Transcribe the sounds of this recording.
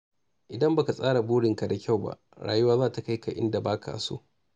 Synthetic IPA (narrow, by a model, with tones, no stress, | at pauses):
ʔɪ˨dɐ˦mba˨ka˨sʼaː˦ɽa˨buː˦ɽɪ˨ŋka˨da˨kʲa˦˨wba̰˦ʔɽa̰ː˨ju˦waː˦zaː˦˨ta˨ka˦jka˨ʔɪ̰˦nda˨baː˦kʰa̰ː˨sṵː˦ʔ